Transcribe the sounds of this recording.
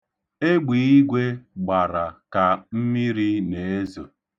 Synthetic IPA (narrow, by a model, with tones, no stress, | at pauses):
e˦ɡ͡bi˨˦i˦ɡʷe˦ɡ͡ba˨ɾa˨ka˨m̩˦mi˦ɾi˦ne˨e˦zo˨